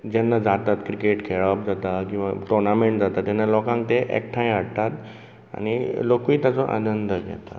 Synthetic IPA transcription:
d͡ʑɛnːad͡zat̪at̪kɾikeʈkʰeɭap̚d͡zat̪akĩw̃ʋaʈɔɾnameɳʈd͡zat̪at̪jɛnːalɔkãŋkt̪eʔḛk̚ʈʰãj̃aɽt̪at̪ | a̰ñilokiːt̪jat͡sɔʔa̰nənd̪əɡɛ̰t̪a̰

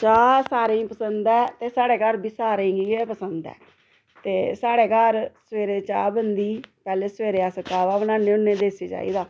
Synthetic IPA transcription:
t͡ʃaːsaːɾeĩːpəsənd̪ɛːt̪eːsaːɽeːkaɾbʱiːsaːɾẽɡiːepəsənd̪ɛ̰ː | t̪eːsaːɽeːkaːɾsəʋeːɾeːt͡ʃaːbənd̪iːpɛːleːsʋeːɾeːaːsəkaːʋaːʋənãːnẽːʊnẽːd̪eːseːd͡ʒa̰ːḭːd̪aː

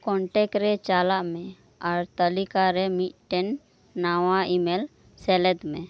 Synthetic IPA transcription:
kɔ̃ɳʈekɾet͡ʃaːlaʔmẽ | ɔɾt̪əlikaɾemiʈenː | awaimel | selɛd̪mẽ

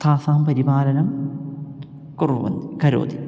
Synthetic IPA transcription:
t̪ʰaːsaːmpɐɾibaːlɐnɐm | kuruʋɐ̰nikɐɾo̰ːd̪i

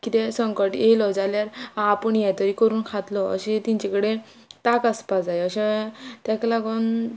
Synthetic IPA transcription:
kit̪esəŋkəʈjejlɔd͡zaljaɾaːpəɳjɛt̪əɾikəɾuːnkʰat̪lɔə̰ɕet̪iɲt͡ɕekəɽe | t̪akaspad͡zajəɕet̪jaklaɡɔn

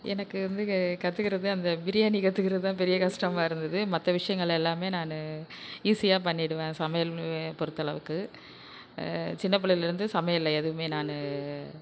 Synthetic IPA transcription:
ɛ̰nɐkːɯʋɐnd̪ɯkɐt̪ːɯkːɪɾɐðɯɐnd̪ɐbɪɾɪjaːnikɐt̪ːɯkɪɾɐðɯt̪ãːpɛɾɪjɐkɐʂʈɾɐmaːɪɾɯnd̪ɐðɯmɐt̪ːɐʋɪʂɐjɐŋɡɐɭɛlːaːmeːnaːnɯiːsɪjaːpɐɳːɪɽɯʋẽːsɐmɐjɐlpɔɾɯt̪ːɐɭɐʋɯkːɯ | t͡ʃɪnːɐp̬ːɐɭɪlɪɾɯnd̪ɯsɐmɐjɐɪlːɐɛðɯʋɯmeːnaːnɯ

